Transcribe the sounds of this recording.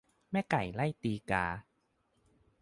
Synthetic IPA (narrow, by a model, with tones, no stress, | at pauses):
mɛː˥˩ka˨˩˦jla˥˩jt̪iː˧kaː˧